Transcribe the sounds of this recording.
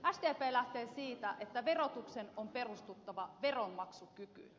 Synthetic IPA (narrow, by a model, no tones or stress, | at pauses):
ʔæst̪eæpeːlæht̪eːsiːt̪æʔet̪ːæʋe̞ro̞t̪ukse̞nompe̞rust̪ut̪ːɑʋɑʋe̞ronmɑksukyky̰